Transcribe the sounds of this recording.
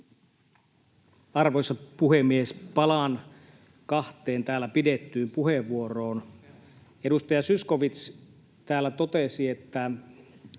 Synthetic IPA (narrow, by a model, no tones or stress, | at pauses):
ɑrʋojsɑpuɦhemːiespɑlɑn | kɑht̪ˑeːnt̪æːlːæpidet̪ːyːmpuɦeʋːuoro̞ːn | e̞dust̪ɑjɑsysko̞ʋit̪s | t̪æːlːæt̪o̞t̪esie̞t̪ːæ